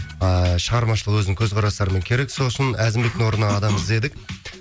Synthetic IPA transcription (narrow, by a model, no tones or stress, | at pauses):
ʃəʁɑɾmɑʃ̬əlˠəqwɵznɪŋkʲʰɵzqʰɑɾɑst̪ɑɾəmeŋkʲʰe̞ɾe̞kso̞sənæzɪmbekt̪ɪŋwo̞ɾənɑːd̪ɑməze̞d̪ɪk